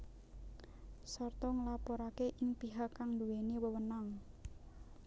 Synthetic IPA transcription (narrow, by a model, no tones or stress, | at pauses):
sɔrt̪ɔŋəlapɔɾakeʔɪŋpiɦakːaŋd̪uweniwəwənaŋ